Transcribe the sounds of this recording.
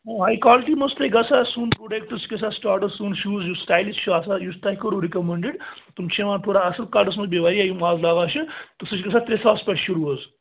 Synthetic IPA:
oaːjkwaːliʈiːmɐsʈ̪leɡɐsʰasunpɾoːɖekʈɨskesaːsʈaːɾʈɐsunʃuːzjusʈaːjlist͡ʃʰuaːsajust̪aːɦikɐɾuɾikɐmeɳɖiɖt̪umt͡ʃʰeʋãːʈʰoːɽaɐsɐlkaːɾɖɐs̬mɐzbeʋaːɾiaːjumaːzlaːɡaːt͡ʃɨt̪ɨsɨt͡ʃʲɡɐsʰat̪ɾesaːspʲɐʈʃuɾuɐz

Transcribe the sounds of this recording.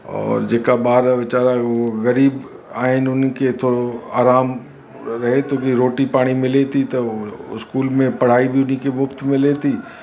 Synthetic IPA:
ɔ̰ːɾd͡ʑeːkabaːɾʋɪt͡ɕaːɾaɣɐɾiːb | aːɦɪnɪʊnket̪ʰoːɽoa̰ːɾaːm | ɾɐɦet̪oːkiɾoːʈipaːɽ̃imɪlet̪ʰit̪ɐɪ̰skuːlmẽpɐɽ̤aːibʱiʊnikemʊft̪mɪ̃let̪ʰiː

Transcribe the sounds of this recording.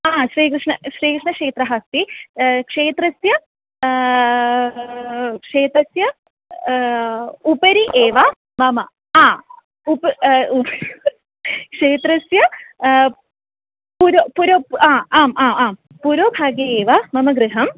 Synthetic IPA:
aːsɾiːkɾɨʂɳɐɕɾiːkɾɨʂɳɐkʂeːt̪ɾɐɦaːst̪ikʂeːt̪ɾɐsjɐ | kʂeːt̪ɾɐsjɐ | upɐɾiʔeːʋa | mɐmɐ | aː | upɐup | kʂeːt̪ɾɐsjɐ | puɾopuɾoːaːaːmaːmaːm | puɾoːbʱaːɡjɐeːʋamɐmɐɡɾɨɦɐm

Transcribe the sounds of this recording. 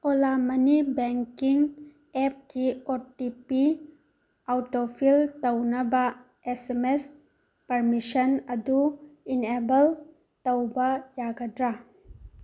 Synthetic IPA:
olamɐnibeŋkiŋ | ep̚kiotipi | awtopʰiltɐwnɐbɐ | esemes | pɐɾmisɐnɐduinebɐl | tɐwbɐjaɡɐdɾa

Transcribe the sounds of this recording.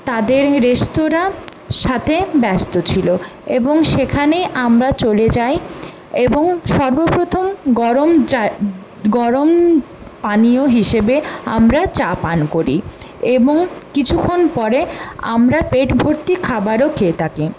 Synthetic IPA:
t̪ad̪eɾːeʃt̪oɾa | ʃat̪ʰebɛst̪ot͡ɕʰiloeboŋʃekʰaneʔamɾat͡ɕoled͡ʑaj | eboŋʃɔɾbopɾot̪ʰomɡɔɾomd͡ʑ | ɡɔɾom | panioɦiʃebea̰mɾat͡ɕapankoɾḭ | eboŋkit͡ɕʰukʰːonpɔɾea̰mɾapeʈbʱoɾt̪ikʰabaɾokʰet̪ʰake

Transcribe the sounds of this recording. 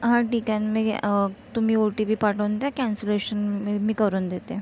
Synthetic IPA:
ɦãʈikãnmet̪um̤iːoʈibiːpaʈənd̪jakɛnseleɕənemiːkəɾuːnd̪et̪e

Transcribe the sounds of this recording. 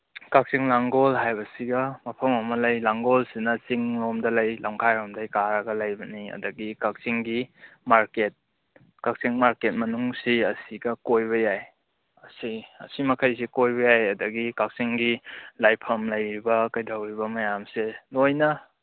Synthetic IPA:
kak̚siŋlaŋɡolɦajbɐsiɡɐmɐpʰɐmɐmɐlɐjlaŋɡolsinɐt͡ʃiŋɾomdɐlɐjlaŋkʰajɾomdɐjkaɾɐɡɐlɐjbɐniɐ̰dɐɡikak̚siŋɡimaɾket̚ | kak̚siŋmaɾket̚mɐnuŋsiɐsiɡɐkojbɐjaj | ɐsiɐ̰simɐkʰɐjsikojbɐjajɐdɐɡikak̚siŋɡilajpʰɐmlɐjɾibɐkɐjdawɾibɐmɐjamselojnɐ

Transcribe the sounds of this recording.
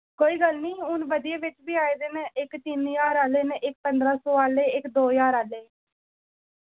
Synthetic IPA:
koːiːɡəlniːʊnʋəd̪ieːʋɪt͡ʃbiːaːeːd̪eːnɪkt̪injaːɾaːleːnʔɪk̚pənd̪ɾaːsoːaːleːɪkd̪oːjaːɾaːleː

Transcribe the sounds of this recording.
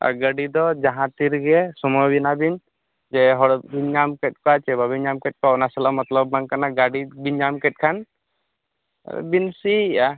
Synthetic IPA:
a̰ɡaɖid̪ɔd͡ʒaɦãt̪iɾɡɛsɔmɔjbinabin | d͡ʒɛɦɔɽbind͡ʒamkɛʈ̚kɔat͡ʃɛbabind͡ʒamkɛʈ̚kɔnasɛlamɐt̪ləbːaŋkanaɡaɽibind͡ʒamkɛʈ̚kʰan | binsia

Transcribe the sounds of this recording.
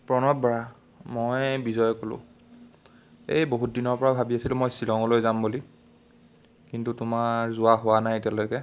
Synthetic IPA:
pɹɔnɔt̚bɔɹa | mojbizɔjkolʊ̰̃ | ḛjboɦut̚dinɔɹpɔɹabʱabiasilʊmojsilɔŋɔlojzambuli | kintutʊmaɹzʊwaɦʊwanajtialojkɛ

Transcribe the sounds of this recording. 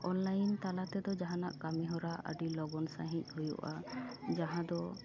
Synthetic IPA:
ɔnlajnt̪alat̪ɛd̪ɔd͡ʒaɦãnaʔkamiɦɔɾaʔə̰ɖilɔɡɔnsa̰ɦic̚ˀhujṵʔad͡ʒaɦãd̪ɔ

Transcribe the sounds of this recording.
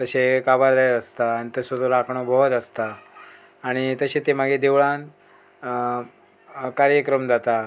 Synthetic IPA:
t̪əɕekabaɾd̪ajt̪əst̪aːɽ̃it̪əsəd̪ʱoɾakʰɳɔbʱɔd̪əst̪aː | ɽ̃it̪əɕet̪emaɡed̪eʋɭan | kaɾjəkɾəmd͡zat̪a

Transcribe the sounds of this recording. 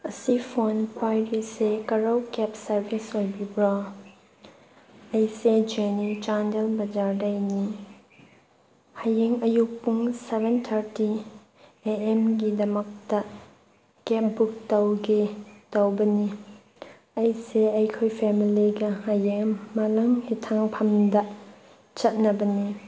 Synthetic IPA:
ɐsipʰonkʰwajɾisekɐɾowkepsɐɾbisojbibɾa | ɐjsed͡ʒenit͡ʃandelbɐd͡ʒaɾdɐjni | hajeŋɐjuk̚puŋsebʱentʰɐɾti | eemɡidɐmɐk̚tɐ | kep̚buk̚tɐwɡitɐwbɐni | ɐjseɐjkʰojpʰɛmiliɡɐhajeŋmɐlɐŋhitʰaŋpʰɐmdɐ | t͡ʃɐt̚nɐbɐni

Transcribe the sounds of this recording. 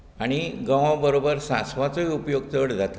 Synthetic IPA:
aɽ̃iɡə̃ʋãbəɾobəɾsãsʋat͡soiupjoɡ̚t̪əɽd͡zʱat̪a

